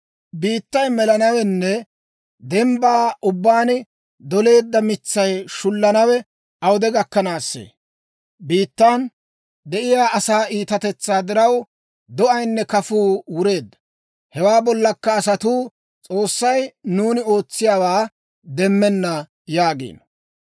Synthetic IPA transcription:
biːt̪ːɐjmɛlɐnɐwɛnːɛ | d̪ɛmbaːʔʊbːaːnɪ | d̪ɔle̞ːd̪ːɐmɪt͡sːɐjʃʊlːɐnɐwɛ | ɐwʊd̪ɛɡɐkːɐnaːsːḛː | biːt̪ːan | d̪ɛʔɪjaːʔɐsaːʔiːt̪ɐt̪ɛt͡sːaːd̪ɪɾɐw | d̪ɔʔɐjnːɛkɐfuːwʊɾe̞ːd̪ːɐ̥ | hɛwaːbɔlːɐkːɐːsɐt̪uː | t͡sʼo̞ːsːɐjnuːnɪo̞ːt͡sːɪjaːwaː | d̪ɛmːɛnːɐ | jaːɡḛːnɐ

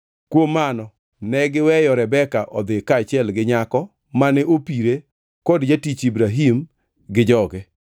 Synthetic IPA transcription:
kwomːanɔ | nɛɡɪwɛjɔɾɛbɛkaʔɔd̪ɪkaːt͡ʃɪɛlɡɪɲakɔ | manɛʔopiɾe | kodd͡ʒatit͡ʃibɾaɦim | ɡɪd͡ʒɔɡɛ

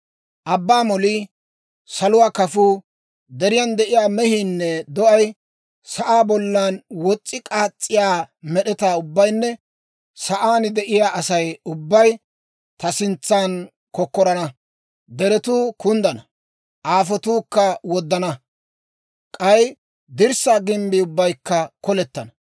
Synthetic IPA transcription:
ʔɐbːaːmɔliː | sɐlʊwaːkɐfuː | d̪ɛɾɪjɐnd̪ɛʔɪjaːmɛhiːnːɛd̪ɔʔɐj | sɐʔaːbɔlːanwɔt͡sʼːɪkʼaːt͡sʼːɪjaːmɛɗɛt̪aːʊbːɐjnːɛ | sɐʔaːnɪd̪ɛʔɪjaːʔɐsɐjʊbːɐj | t̪ɐsɪnt͡sːaːn | kɔkːɔɾɐnɐ | d̪ɛɾɛt̪uːkʊnd̪ɐnɐ | ʔaːfɔt̪uːkːɐwɔd̪ːɐnɐ | kʼɐj | d̪ɪɾsaːɡɪmbiʊbːɐjkːɐkɔlɛt̪ːɐnɐ

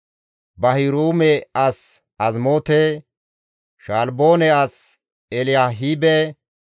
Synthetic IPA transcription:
bɐhɪɾuːmɛɐs | ɐzmoːt̪e | ʃaːlboːnɛɐs | ɛlɪjaɦiːbɛ

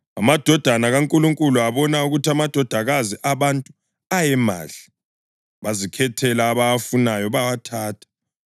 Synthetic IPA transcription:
amad̥ʱɔd̥ʱanaɣaŋkʼuluŋkʼuluaβɔnauɣutʰiamad̥ʱɔd̥ʱaɣaziʔaβantʼu | ajɛma̰ːɬi̥ | βazikʰɛtʰɛlaːβaafunajɔβawatʰaːtʰḁ

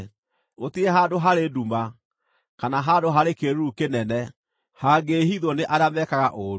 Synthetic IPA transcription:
otiɾɛɦaːdoɦaɾeduma | kanaɦadoɦaɾekeɾukenɛnɛ | haɡehiðwɔneʔaɾamɛkaɣaʔoɾ

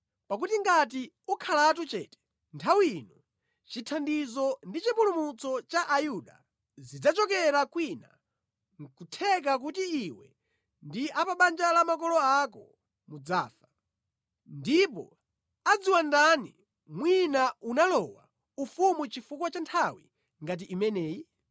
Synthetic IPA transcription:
pak̬utiŋɡat̬i | ukʰalat̬ut͡ʃɛ̰ːtɛ̥ | ntʰawinɔ | t͡ʃitʰandizɔndit͡ʃipulumut͡sɔt͡ʃaʔajuɗa̰ | zid͡zat͡ʃɔkɛɾakwina̰ | ŋkutʰɛk̬ak̬utiiwɛ̰ | ndiʔapaɓand͡ʒalamakɔlɔakɔ | mud͡za̰ːfa | ndipɔ̰ | ad͡ziwandani | mwinaunalɔwa̰ | ufumut͡ʃifukwat͡ʃantʰawḭ | ŋɡat̬iʔːmɛnɛːji

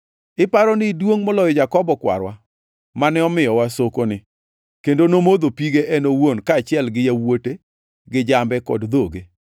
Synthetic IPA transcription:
ɪpaɾɔnɪdwoŋmɔlɔjɔd͡ʒakɔbɔkwa̰ɾwa | manɛɔmɪjɔwasokonɪ | kendonomod̪opiɡeʔɛnowonkaːt͡ʃɪɛlɡɪjawote | ɡɪd͡ʒambɛkɔ̰dd̪oɡe

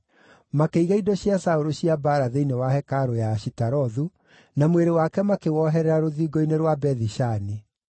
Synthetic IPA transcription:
makeiɣaidɔɕiasaoɾoɕiabaːɾaðeinewaɦɛkaɾojaɕitaɾɔðu | namweɾewakɛmakewɔɦɛɾɛɾaɾoðiːɡoineɾwabɛðiʃani

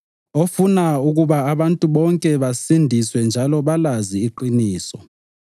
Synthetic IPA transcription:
ofunauɣuβaːβantʼuβɔŋkʼɛβasindʱiswɛnd͡ʒʱalɔβalaziːǃiniːsɔ̰

